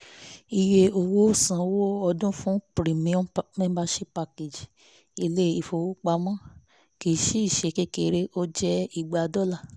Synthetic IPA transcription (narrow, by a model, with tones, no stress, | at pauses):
i˧je˧o˧wo˦˨sã˨wo˦ɔ˧dũ˦fũ˦pɾi˨mĩ˨˦ɔ̃˦mĩ˦ba˧ʃe˦pa˧ke˨d͡ʒi˨ | i˧le˦i˧˨fo˧˨wo˦k͡pa˧˦mã˦ | ki˧ʃi˦i˦˨ʃe˨˧˦ke˦ke˧˨˦ɾe˦ʔo˦d͡ʒɛ˦i˧˨ɡ͡ba˨˧dɔ˦la˦˨